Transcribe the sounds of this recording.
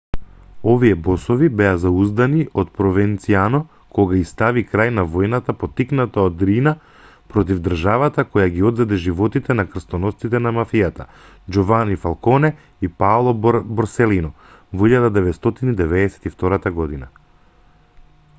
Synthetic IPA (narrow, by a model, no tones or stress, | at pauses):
ɔvijɛbɔsɔvibɛazauzd̪aniʔɔt̪̚pɾɔvɛnt̪sianɔ | kɔɡaist̪avikɾajnavɔjnat̪apɔt̪iknat̪aɔd̪ɾina | pɾɔt̪̬ivd̪r̩ʒavat̪akɔjaɡiɔd̪zɛd̪ɛʒivɔt̪it̪ɛnakr̩st̪ɔnɔst̪it̪ɛnamafijat̪a | d͡ʒɔvanifalˠkɔnɛ | ipalˠɔbɔɾsɛlinɔ | voiʎad̪ad̪ɛvɛt̪st̪ɔt̪inid̪ɛvɛd̪ɛsɛ̥t̪ift̪ɔɾat̪aɡɔd̪ina̰